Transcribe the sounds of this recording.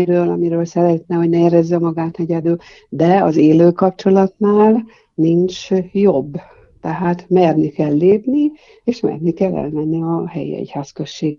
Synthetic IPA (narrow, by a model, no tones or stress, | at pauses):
ɾøːlɒmiɾøːlsɛɾɛt̪nɛho̞ɟnɛeɾɛzːɛmɒɡaːt̪nɛɟɛd̪yl | d̪ɛɒzeːløːkɒp̚t͡ʃo̞lɒt̪naːl | nint͡ʃjo̞bː | t̪ɛɦaːt̪mɛrnikɛlːeːpni | eːʃmɛ̰rnikɛlːɛ̰lmɛnːiɒɦɛ̰jḭɛ̰chaːskøʃːeːɡ